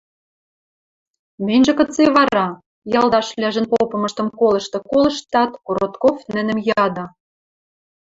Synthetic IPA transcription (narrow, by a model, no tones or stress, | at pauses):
mɘ̆nʲʒĕkɤ̆t͡seβɑɾɑ | jɑlˠd̪ɑʃlʲæʒə̆npopɤ̆mɤ̆ʃt̪ɤ̆mkolɤ̆ʃt̪ɤ̆kolɤ̆ʃt̪ɑt̪koɾot̪kofnɘ̆nɘ̆mjɑd̪ɑ̆